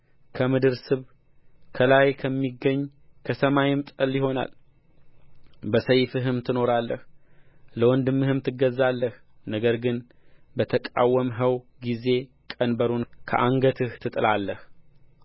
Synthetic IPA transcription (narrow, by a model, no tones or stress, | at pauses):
kʰəmɨd̪ɨɾsɨβ | kʰəlajkʰəmːiɡːəɲː | kʰəsəmajɪmt̪ʼəljɪɦo̞na̰l | bəsəjfɨɦɨmt̪ʰɨno̞ɾalːəh | ləwɔnd̪ɨmːɨhɨmt̪ʰɨɡːəzːalːəhnəɡəɾɡɨn | bət̪ʰəkʼa̰wːəmɦəw | ɡize̞ | kʼənbəɾunkʰə̰ʔaŋɡət̪ʰɨht̪ʰɨt̪ʼɨlalːəh